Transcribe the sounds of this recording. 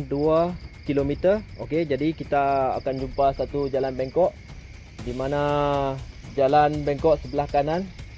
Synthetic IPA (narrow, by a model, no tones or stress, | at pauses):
nduakilomit̪əoked͡ʒadikit̪a̰ːkand͡ʒumpasat̪ud͡ʒalanbeŋkɔʔ | dimana | d͡ʒalanbeŋkɔʔsəbəlahkanan